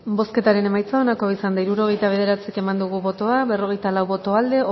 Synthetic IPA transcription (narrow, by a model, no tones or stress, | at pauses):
bo̞ske̞t̪aɾe̞ne̞majt͡sao̞nako̞isand̪aiɾuɾo̞ɣ̞e̞jt̪aβe̞ð̞e̞ɾat͡sike̞mand̪uɣ̞uβo̞t̪o̞aβe̞ro̞ɣ̞e̞jt̪alawβo̞t̪o̞ald̪e̞